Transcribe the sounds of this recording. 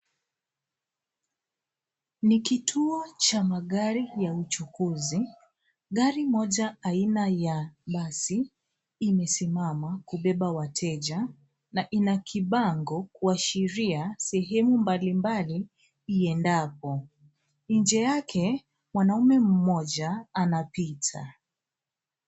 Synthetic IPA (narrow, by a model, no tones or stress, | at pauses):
nikitʰuɔt͡ʃamaɠaɾijaut͡ʃukuzi | ɠaɾimɔʄaainajaɓasiː | mɛsimamakuɓɛɓawatʰɛʄa | naʔinakʰiɓaŋɡɔkuaʃiɾiasɛɦɛmumbalimbali | iɛndap̚ɔ | ɲnd͡ʒɛjakʰɛ | mwanaumɛm̩mɔʄaːnapitʰa